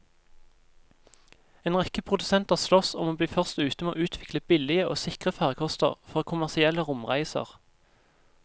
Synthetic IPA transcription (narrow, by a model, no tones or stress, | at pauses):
eːnʁɛkəpʰʁʊd̪ʉsɛnt̪ɑːʁslɔsɔmoːbliːfœʁst̪ʉːt̪əmeːoːʉːt̪ʰʋɪkləbɪlɪəo̰ːsɪkʁəfæːʁkʰɔst̪ə̰ʁfɔʁkʰʊmæʁsɪɛləʁʊmʁæɪsə̰ʁ